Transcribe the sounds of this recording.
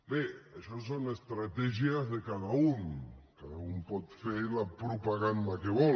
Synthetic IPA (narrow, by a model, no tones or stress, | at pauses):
beaʃɔsonest̪ɾat̪ɛʒiazðekaðauŋkaðaumpɔt̪feɾlapɾupaɣand̪akeβɔ